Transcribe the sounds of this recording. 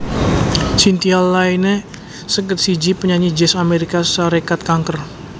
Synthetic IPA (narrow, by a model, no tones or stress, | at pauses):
sint̪ialːainɛ | səkət̪̚sid͡ʒipəɲaɲid͡ʒɛsameɾikasaɾekat̪̚kaŋkər